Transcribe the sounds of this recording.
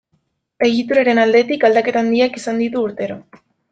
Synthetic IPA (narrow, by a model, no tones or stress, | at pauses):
e̞ɣ̞it̪uɾaɾe̞nald̪e̞t̪ikald̪ake̞t̪and̪iakisand̪it̪uːɾt̪e̞ɾo̞